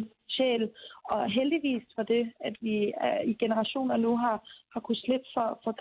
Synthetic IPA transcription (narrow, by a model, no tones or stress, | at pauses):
ɕḛːlɒ̽ɦeld̥iʋḭːsfɒd̥e̝æd̥ʋiiɡ̥enəʁɑ̈ɕo̝̰ːnɐnuɦɑ̈hɑ̈kʰusleb̥fɒ̽fɒ̽d̥